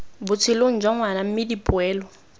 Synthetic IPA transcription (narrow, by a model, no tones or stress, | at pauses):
bʊt͡sʰɪloŋ̩d͡ʒwaŋwanam̩mɪdipʼʊɛːlɔ